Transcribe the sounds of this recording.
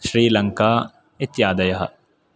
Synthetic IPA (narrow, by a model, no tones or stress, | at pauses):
ʃɾiːlɐŋka | it̪jaːd̪ɐjɐɦɐ̰